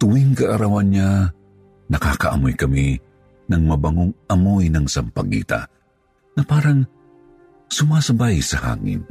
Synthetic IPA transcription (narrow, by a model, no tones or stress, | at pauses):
t̪ʊwiŋkɐʔɐɾawanɲa | nɐka̰kɐʔɐ̰mojkɐmi | nɐŋmɐbaŋoŋɐmojnɐŋsampɐɡḭːt̪a̰ | ŋɐpaːɾaŋ | sʊmasɐbajsɐha̰ːŋɪ̰n